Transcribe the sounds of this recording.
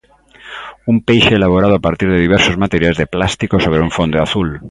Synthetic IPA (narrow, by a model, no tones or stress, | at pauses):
umpejʃeːlaβ̞oɾað̞oapaɾt̪iɾðeðiβ̞ɛɾsozmat̪eɾjajzðeplast̪ikosoβ̞ɾeuɱfond̪eaθul